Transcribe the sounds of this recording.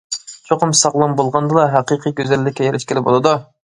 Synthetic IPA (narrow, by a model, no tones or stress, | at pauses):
t͡ʃʰoqʰʊmsɑʁlˠɑmbolˠʁɑnd̪ɨlˠɑɦæqiqʰiɡʲøzɛlːɪkʲːɛjeɾʔɪʃkʲelɪbo̰lˠɨd̪u